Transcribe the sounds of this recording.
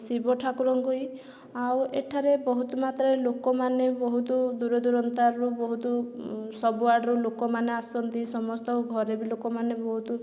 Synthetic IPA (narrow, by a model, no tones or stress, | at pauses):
sibɔʈʰakuɾɔŋɡoj | aweʈʰaɾebɔɦut̪ɔmat̪ɾɔelokɔmanebɔɦut̪ud̪uɾɔd̪uɾɔnt̪aɾɔɾubɔɦut̪usɔbuaɾɖɔɾulokɔmaneasɔnt̪isɔmɔst̪ɔɡʱɔɾebilokɔmanebɔɦut̪u